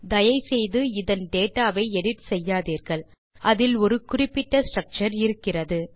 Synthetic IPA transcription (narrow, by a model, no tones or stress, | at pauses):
d̪ɐjɐɪsɛjðɯɪðɐnɖeːʈːaːʋɐɪɛɽɪʈ̪sɛjːaːðiːɾɣɐɭ | ɐðɪlɔɾɯkʊrɪpːɪʈːɐsʈɾɐk̚t͡ʃɐɾɪɾɯkːɪrɐðɯ